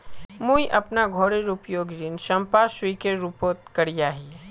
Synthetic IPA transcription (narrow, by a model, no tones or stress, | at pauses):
mujʔɐpnaɡʱoːɽeɾupjoːɡɾinʃɐ̃mpaʃwikeɾuːpoːt̪kɐɽijaːɦiː